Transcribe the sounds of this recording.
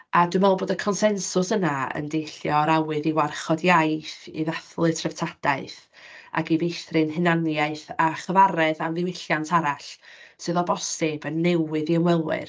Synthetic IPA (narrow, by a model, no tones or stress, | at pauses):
ʔadɨmɛlˠboːdəkʰɔnsɛnsʊsənaə̰ndejɬjɔɾawɨðiwarχɔdjajθḭðaθlˠɨtʰrəv̥tʰad̥aɨθ | a̰ɡivejθrɨnɦɨnanjaɨθaχəvaɾɛðamðɪwɪɬjantʰaɾaɬsɨðɔbɔstɪbənːɛwɨðiəwɛlˠwɪ̰r